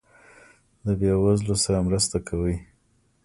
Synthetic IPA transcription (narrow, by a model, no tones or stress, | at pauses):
labjɑwazlosaɾamɾəst̪akʰawəj